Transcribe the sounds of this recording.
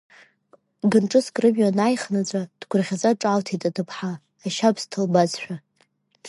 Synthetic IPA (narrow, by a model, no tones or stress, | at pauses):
ɡɨnʈ͡ʂʼɨskʼrɨmjanajχnad͡zʷʼad̥ɡʷʊrʁʲazaʈ͡ʂʼaltʰitʼatʰɨpʰħaː | ʃapʰstʰɨlbazħʷᶣa